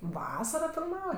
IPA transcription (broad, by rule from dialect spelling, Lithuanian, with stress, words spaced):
ˈʋɑːsɐrɐ fʲɪlˠˈmɑːʋɐ